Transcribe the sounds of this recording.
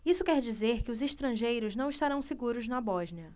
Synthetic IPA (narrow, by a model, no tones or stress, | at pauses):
isʊkɛɾd͡ʒizeɾkɪʊzeʃt̪ɾɐ̃ʒejɾʊznɐ̃w̃iʃt̪aɾɐ̃w̃seɡuɾʊznɐbɔʒniɐ